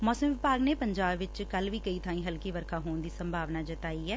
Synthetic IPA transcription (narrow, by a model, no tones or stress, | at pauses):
mɔːsəmʋɪpaːɡneːpəɲd͡ʒaːbʋɪt͡ʃkəlʋiːkəiːt̪ʰaːĩːɦəlkiːʋəɾkʰãːɦoːnd̪iːsəmbʱaːʋnaːd͡ʒɪt̪aːiːɛː